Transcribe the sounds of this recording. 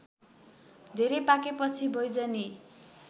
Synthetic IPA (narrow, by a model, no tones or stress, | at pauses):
d̪ʱeɾejpakepʌt͡sʰibʱʌjd͡zʌni